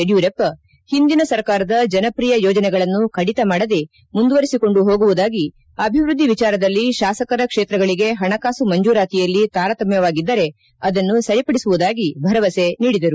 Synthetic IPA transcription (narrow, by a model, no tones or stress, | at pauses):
eɖjuɾepːɐ | hind̪inɐsɐɾkaːɾɐd̪ɐd͡ʒɐnɐpɾiːjɐjɔːd͡ʒɐnɛɡɐɭɐnːukʰɐɽit̪ɐmaːɽɐd̪e̞ | mund̪uʋɐɾisiko̞ɳɖuɦo̞ːɡuʋud̪aːɡi | ɐbʱiʋɾud̪ʱːiʋit͡ʃaːɾɐd̪ɐlːiʃaːsɐkɐɾɐkʂeːt̪ɾɐɡɐɭiɡe̞ɦɐɳɐkaːsumɐɲd͡ʒuːɾaːt̪ijɐlːit̪aːɾɐt̪ɐmjɐʋaːɡid̪ːɐɾe̞ | ɐd̪ɐnːusɐɾipɐɽisuʋud̪aːɡibʱɐɾɐʋɐse̞niːɽid̪ɐɾu